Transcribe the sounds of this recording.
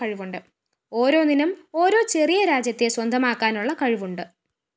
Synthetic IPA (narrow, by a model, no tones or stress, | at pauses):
ɐɻiʋuɳɖɨ | o̞ːɾo̞ːninɐmo̞ːɾo̞ːt͡ɕe̞rijɐɾaːd͡ʑjɐt̪ːeswɐnd̪ʱɐmaːkːaːnuɭːɐkɐɻiʋuɳɖɨ